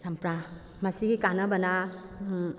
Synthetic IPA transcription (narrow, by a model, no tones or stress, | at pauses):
sampɾa | mɐsiɡikanɐbɐna